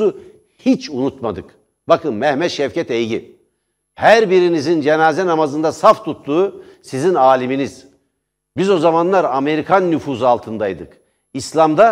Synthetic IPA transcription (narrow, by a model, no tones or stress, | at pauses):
u | hit͡ʃʰunut̪mad̪ɯk | bakʰɯnmɛhmɛʃɛfcɛt̪ɛjɟi | hæɾbiɾinizind͡ʒenaːzɛnamazɯnd̪asaft̪ʰut̪ːuːsizinaːlʲiminiz̥ | bizo̞zamanlˠaɾame̞ɾikʰanːyfuːzualˠt̪ʰɯnd̪ajd̪ɯk | islʲamd̪a